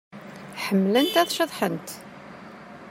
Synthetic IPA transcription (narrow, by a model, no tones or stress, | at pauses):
ħəmːlənt̪æðʃəðˤħənt̪